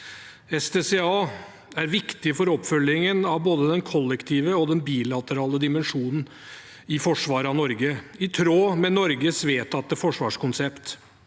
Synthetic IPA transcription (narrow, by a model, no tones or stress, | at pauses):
ɛsd̪eːsɛɑː | æɾʋɪkt̪ɪfɔɾɔpfœlːɪŋənɑʋboːd̪əd̪ɛnkʰɔlːɛkt̪ʰiːʋəɔd̪ɛnbiːlɑt̪əɾɑːləd̪ɪmɛnʂuːnn̩ | ɪfɔʂʋɑːɾɑnɔɾɡəɪt̪ʰɾoːmɛnɔɾɡəsʋeːt̪ʰɑt̪̚ːəfɔʂʋɑːʂkʊnsɛpt̪